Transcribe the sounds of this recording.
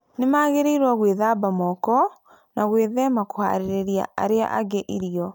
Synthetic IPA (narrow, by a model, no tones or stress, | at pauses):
nemaːɣeɾeiɾwaɣweðaːbamɔkɔ | naɣweðɛmakoha̰ɾeɾeɾja̰a̰ɾea̰ʔaɡeʔiɾiɔ